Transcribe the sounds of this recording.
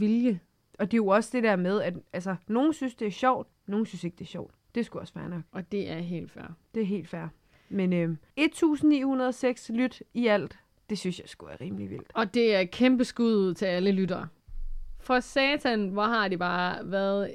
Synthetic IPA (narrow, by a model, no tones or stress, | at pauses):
ʋiljə | ɒ̽d̥e̝jo̝ɒ̽səd̥e̝d̥eɐ̰með̞ˠæd̥ʔælsɐno̝ːn̩synsd̥e̝æɐɕɒʊ̰d̥ | no̝ːn̩synse̝ɡ̥̚d̥e̝æɐɕɒʊ̰d̥ːe̝sɡ̥uɒ̽sfæɐnɒ̽ɡ̥ɒ̽d̥e̝ʔæɐɦe̝̰ːld̥fæɐ̰d̥e̝æɐɦe̝̰ːld̥fæɐ̰ | menø | e̝d̥̚t͡sʰṵːsn̩nḭːhunɐð̞ˠɒseɡ̥slyd̥iæl̰d̥ | d̥e̝synsjɑ̈ɪsɡ̥uʋæɐʁiːmliʋḭl̰d̥ɒ̽d̥e̝æɐkʰemb̥əsɡ̥uð̰ˠð̩ˠt͡sʰe̝læləlydɐː | fɒ̽sɛːt͡sʰænʋɒhɑ̈d̥ib̥ɑ̈ːʋæɐðˠ